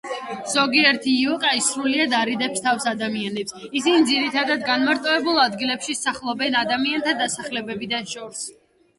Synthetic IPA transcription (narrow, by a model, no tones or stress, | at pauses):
z̥ɔɡiɛɾt̪ʰiːɔkʼaisɾuliad̪aɾid̪ɛpst̪ʰafsad̪amianɛpsisinid̪ziɾit̪ʰad̪ad̪ɡanmaɾt̪sʼɔɛbulˠad̪ɡilɛpʃisaχlˠɔbɛnad̪amiant̪ʰad̪asaχlɛbɛbid̪anʃɔɾs